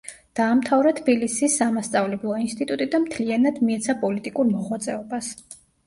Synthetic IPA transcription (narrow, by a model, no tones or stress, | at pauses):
d̪̥aːmt̪ʰavɾat̪ʰbilisisːamast̪sʼavlɛblˠɔinst̪ʼit̪ʼut̪ʼid̪amt̪ʰlianad̪miɛt̪sʰapʼɔlit̪ʼikʼuɾmɔʁwat̪sʼɛɔbas